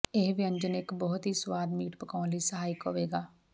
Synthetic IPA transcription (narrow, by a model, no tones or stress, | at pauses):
ɪɦbiə̃ɲd͡ʒənɪkbɔɦʊt̪ɦiːswaːd̪miːʈpəkaːnləiːsəɦaːjɪko̰ːʋeːɡaː